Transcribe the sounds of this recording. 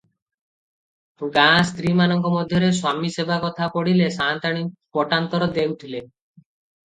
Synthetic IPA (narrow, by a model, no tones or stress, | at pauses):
ɡãst̪ɾimanɔŋkɔmɔd̪ʱjɔɾeswamisebakɔt̪ʰapɔɽilesant̪aɽ̃ipɔʈant̪ɔɾɔd̪eɡt̪ʰile